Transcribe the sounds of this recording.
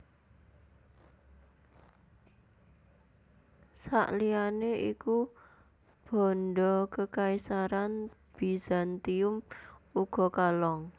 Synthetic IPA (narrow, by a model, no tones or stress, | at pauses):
sa̰ʔlianeʔḭku | b̥ɔ̤nɖɔkəkaisaɾanb̥i̤zant̪iʊmuɡ̥ɔ̤kalɔŋ